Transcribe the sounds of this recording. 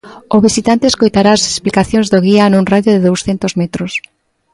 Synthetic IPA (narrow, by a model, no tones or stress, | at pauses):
oβisit̪ant̪eːskojt̪aɾaase̥splikaθjõŋzðoɣianũŋraðjoðeðowsθent̪ozmet̪ɾos